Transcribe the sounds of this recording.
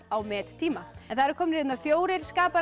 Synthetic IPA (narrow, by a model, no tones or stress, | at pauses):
awmɛːt̪t̪ʰiːmaɛnθaɾkʰɔːmnɾet̪nafjoːwɾɪɾ̥skaːpaɾ